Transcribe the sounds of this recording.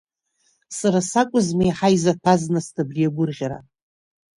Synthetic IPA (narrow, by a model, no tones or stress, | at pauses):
saɾasakʷʼʊzmajħajzatʰaznɨstʰʼabrijaɡʷʊrʁʲaɾa̰